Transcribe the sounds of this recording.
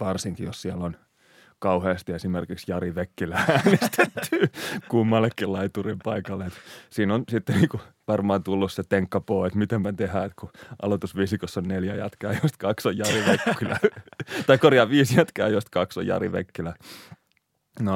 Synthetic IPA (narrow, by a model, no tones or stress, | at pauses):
ʋɑrsiŋkijossiɛlːon | kɑuheːst̪iesimerkiksjɑriʋekːilææːnest̪et̪ːyːkuːmːɑlːekːilɑit̪urimpɑikɑlːeet̪siːnonsit̪ːeniːkuʋɑrmɑːnt̪ulːusset̪eŋkːɑpoːet̪mit̪empænt̪ehæːet̪kuʔɑ̰lot̪usʋisikosːonneljæjæ̰t̪kæːjost̪kɑksojjɑriʋekːilæt̪ɑikorjɑʋiːsjæt̪kæ̰ːjost̪kɑkso̰jɑ̰rḭʋḛkːilæ | no